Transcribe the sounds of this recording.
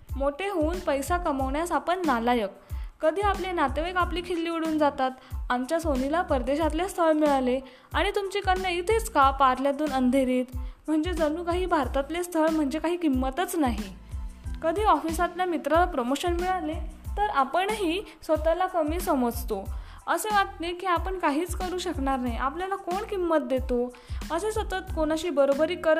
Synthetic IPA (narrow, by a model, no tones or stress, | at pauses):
moʈʰeɦouːnpəjsakəməʋɳjasapəɳːalajəkːəd̪ʱiːaplenat̪eʋajkapliːkʰelːiːʋiɽuːnd͡zat̪at̪amt͡ɕjasonilapəɾd̪eɕat̪lest̪ʰəɭmiɭale | aɽ̃it̪umt͡ɕiːkənːjait̪ʰet͡skapaɾljad̪uːnənd̪ʱeɾiːt̪m̤əɳd͡zed͡zənuːkaɦiːbʱaɾt̪at̪lest̪ʰəɭm̤əɳd͡zekaɦiːkimːət̪ət͡snaɦi | kəd̪ʱiːɔfisat̪lamit̪ɾalapɾomoɕənmiɭalet̪əɾapəɳɦiː | sʋət̪alakəmiːsəməd͡zt̪o | əseʋat̪t̪ekiːapəɳkaɦiːt͡skəɾuːɕəkɳaɾnaɦiʔapljalakoɳkimːət̪̚d̪et̪o | əsesət̪ət̪koñaɕiːbəɾobəɾiːkəɾ